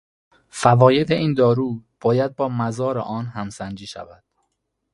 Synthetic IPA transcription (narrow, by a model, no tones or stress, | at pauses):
fævɒːje̞d̪e̞ʔiːnd̪ɒːɾuːb̥ɒːjæd̪̚bɒːmæzɒːɾḛʔɒːnhæmsænd͡ʒiːʃæ̰væd̪̥